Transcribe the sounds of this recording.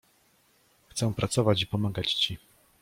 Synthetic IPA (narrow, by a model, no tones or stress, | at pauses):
xt̪sɛ̃pɾat̪sɔvat͡ɕipɔmaɡat͡ɕt͡ɕi